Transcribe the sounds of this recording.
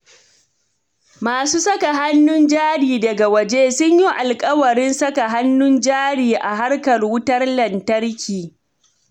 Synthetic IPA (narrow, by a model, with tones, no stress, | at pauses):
maː˨suː˦sɐ˦ka˨ɦa˦nːʊ˦nd͡ʒaː˦ɽiː˨dɐ˨ɡa˨wɐ˨d͡ʒeː˦sʊ˦ɲji˦ʔa˨lkʼɐ˦wɐ˨ɾɪ˦nsɐ˦ka˨ɦa˦nːʊ˦nd͡ʒaː˦ɽiː˨ʔa˨ɦa˦rkɐ˨rwʊ˦tɐ˦rlɐ˨ntɐ˦rkʲʰiː˨